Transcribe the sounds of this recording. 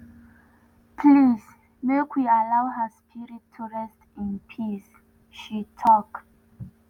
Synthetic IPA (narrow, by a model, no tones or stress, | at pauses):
pʰlis | mekʰwialawɦəspʰiɹitʰːuɹɛstĩnpʰis | ʃitʰɔk